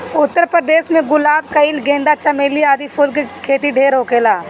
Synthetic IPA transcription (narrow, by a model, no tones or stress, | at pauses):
ʊt̪ːəɾpɾəd̪eːʃmẽɡʊlaːb̚kɐɪlɡẽːnd̪at͡ʃɐmeːliaːd̪ipʰuːlkikʰeːt̪iɖʱeːɾɦoːkeːlaː